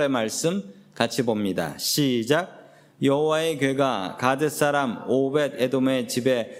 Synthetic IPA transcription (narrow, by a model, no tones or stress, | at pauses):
emaɭs͈ɯm | kat͡ɕʰibomɲida̰ɕʰid͡ʑaɡ̚ | jʌɦowaekɥeɡakad͡ʑes͈aɾamobed̚edome̞t͡ɕibe̞